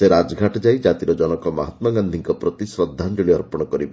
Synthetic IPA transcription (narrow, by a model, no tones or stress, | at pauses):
seɾad͡ʒɡʱaʈd͡ʒajd͡ʒat̪iɾɔd͡ʒɔnɔkɔmɔɦat̪maɡand̪ʱiŋkɔpɾɔt̪isɾɔd̪ʱːand͡ʒuɭiɔɾpɔɽ̃ɔkɔɾibɔ